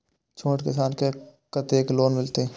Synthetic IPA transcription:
t͡ʃʰõːʈkɪs̬aːnkekɐt̪eːkloːnmɪlt̪eɛ

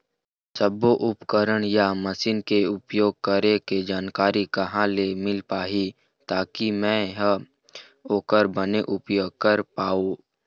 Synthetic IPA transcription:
səboʔʊpkəɾəɽ̃jamɐsiːnkeʊpjoːɡ̚kəɾeked͡ʒaːnkaːɾikɐɦãlemɪlpaːɦi | t̪aːkimɛ̃ɦ | oːkəɾbəneʔʊpjoːɡ̚kəɾpaːo

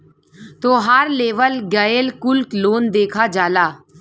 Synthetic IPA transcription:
t̪oːɦaɾleːʋəlɡaːjelkʊlkloːnd̪eːkʰad͡ʒaːlaː

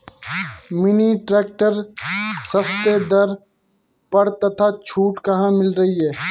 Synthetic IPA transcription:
mɪniʈɾɛːk̚ʈəɾsɐst̪ed̪ɐɾ | pɐɾt̪ɐt̪ʰaːt͡ʃʰuːʈkɐɦãmɪlɾɐɦiɦɛː

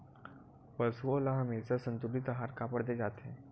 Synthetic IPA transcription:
pəsuolaɦəmit͡səsənt̪uɽit̪əɦaɾkapəɽd̪ed͡zat̪ʰe

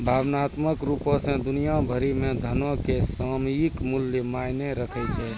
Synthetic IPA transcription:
bʱaːbnaːt̪məkɾupõsẽd̪ʊnijabʱəɾimẽd̪ʱənõkesamikmʊljəmajneɾəkʰɛt͡ʃʰɛ

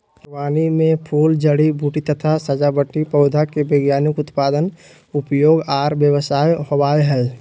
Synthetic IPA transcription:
waːnimẽpʰuːld͡ʒəɽibʱuːʈit̪ət̪ʰasəd͡ʒabəʈːipəʊd̪ʱakebeɡjaːnɪkʊt̪paːd̪ən | ʊpjoːɡaːɾbjəwsaːjhobaːeɦɛː

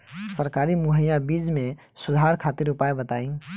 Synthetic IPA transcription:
səɾkaɾimuɦəjabid͡ʒmẽ | sʊd̪ʱaɾkʰat̪iɾupaebət̪aĩ

